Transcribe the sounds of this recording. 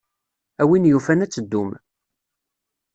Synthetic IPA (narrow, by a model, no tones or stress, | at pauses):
æwinjufænæt͡sːəd̪ːum